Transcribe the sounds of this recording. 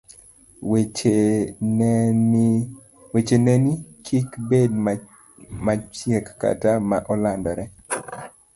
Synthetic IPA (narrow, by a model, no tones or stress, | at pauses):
wet͡ʃenɛnit͡ʃikbed̚ | mat͡ʃjɛkːa̰tamaʔɔlandɔɾɛ